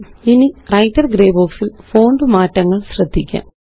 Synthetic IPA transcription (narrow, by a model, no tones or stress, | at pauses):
inirɐjtːɐrɡɾeːboːksilfo̞ːɳɖɨmaːtːɐŋːɐɭɕrɐd̪ʱːikʲːa̰ː